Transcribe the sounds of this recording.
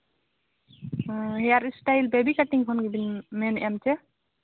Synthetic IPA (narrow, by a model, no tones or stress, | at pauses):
ɦɛjaɾisʈajlbebikaʈiŋkʰɔnɡibinmɛnɛmt͡ʃɛ